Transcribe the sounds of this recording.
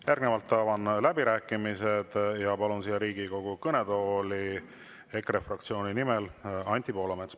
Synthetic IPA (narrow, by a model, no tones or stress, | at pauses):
jærɡ̥nevɑlt̪ːɑːvɑnlæbiɾæːkːˑimised̪̥jɑpɑlunsijɑɾiːɡ̥iko̞ɡ̥ukɤne̞d̪o̞ːli | ekrefrɑkt̪sio̞ːnʲinimelɑnʲt̪ˑipo̞ːlɑmet̪s